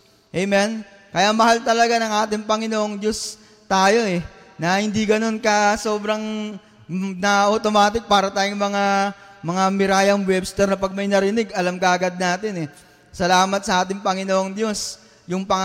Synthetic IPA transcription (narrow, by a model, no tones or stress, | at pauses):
ʔɛjmɛn | kɐjamɐhalt̪ɐlɐɡanɐŋʔaːt̪ɪŋpɐŋɪnoːʔoŋd̪jo̞s | t̪aːjo̞ʔɛ | nɐhɪnd̪iɡɐno̞nkɐso̞ːbɾɐŋ | nɐʔɐt̪o̞maːt̪ɪk̚paːɾɐt̪aːjʊŋmɐŋamɐŋamɪɾaːjɐŋwɛbst̪ɛɾnɐpɐɡ̚mɐjnɐɾɪnɪɡɐlamkɐʔɐɡad̪̚naːt̪ɪnɛ | sɐlaːmɐt̪sɐʔaːt̪ɪŋpɐŋɪnoːʔoŋd̪jo̞s | jʊŋpɐŋ